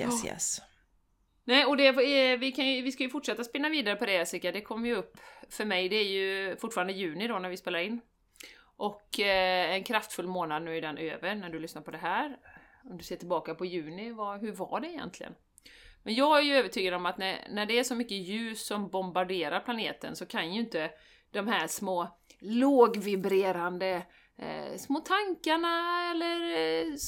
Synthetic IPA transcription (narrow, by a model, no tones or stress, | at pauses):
ɛ̰ɪ̰ɛ̰s | nɛːɔd̪ɛvɪkʰanjɵvɪskajɵfʊʈːʂɛt̪ːaspɪnːaviːd̪aɾəpɔd̪ɛɛsɪkad̪ɛkʰɔmːjɵɵpːfœɾmɛjd̪ɛːɾjɵfʊʈːfɑːɾand̪əjʉ̟ːnɪd̪ɔnæɾvɪspeːlaɾɪnː | ʔɔkɛnkʰɾaft̪fɵlːmoːnad̪nʉ̟ːɪd̪ɛnø̰ːvəɾnæɖɵlʏsnaɾpʰɔd̪ɛɦæːɾ | ɔmd̪ɵseːtʈʰɪlbɑːkapɔjʉ̟ːnɪvaɦɵɾva̰ɖɛɪjɛ̰nt̪ʰlɪ̰ɡə̰n | mɛnjɑːɡhæjɵøːvəʈʰyːɡad̪ɔmat̪nænæɖɛæʂɔmʏkːəjʉ̟ːsːɔmbɔmbaɖeːɾaɾpʰlaneːt̪ə̰nsɔkʰanjajʏnt̪ə | d̪̥ɔmhæʂmoːloːɡvɪbɾeːɾand̪ə̰ | smoːt̪ʰaŋkaɳaɛlːəɾ